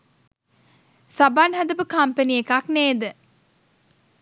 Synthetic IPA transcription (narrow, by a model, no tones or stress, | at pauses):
sabanɦad̪əpəkampəniekakneːd̪ə